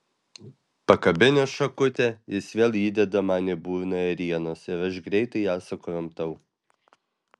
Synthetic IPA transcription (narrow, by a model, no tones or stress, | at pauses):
pɐkɐbʲɪnʲosʃɐkʊt̪ʲɛjɪsʋʲeːlˠiːd̪ʲɛd̪ɐmɑːnʲebuːʋʲnojɐɾʲiɛnoːsɪɾɐʃɡɾʲɛɪt̪ɐɪæːsɐkoːjomt̪ɐʊ